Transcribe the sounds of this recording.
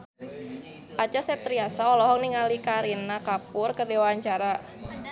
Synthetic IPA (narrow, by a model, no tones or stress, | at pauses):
pat͡ʃasɛp̚t̪ɾiasaɔlɔɦɔk̚niŋalikaɾinakapʊrkərdewaaɲt͡ʃaɾa